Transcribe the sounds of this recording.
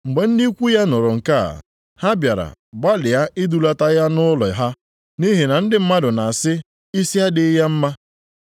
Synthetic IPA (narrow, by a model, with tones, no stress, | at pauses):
ŋ͡m̩˨ɡ͡be˨n̩˦di˦kʷu˦ja˦nʊ˨ɾʊ˨ŋ̩˨ka˦a̰˨ | ha˦bja˨ɾa̰˨ba˦lɪ˨ja˦ʔɪ˦du˨la˦ta˦ja˦nʊ˦lɔ˨ɦa˦ | ni˦ɦi˨na˨n̩˦dɪ˨m̩˦ma˦dʊ˨na˨a˨sɪ˦ | i˦si˦a˦dɪ˨˦ja˦m̩˦ma˦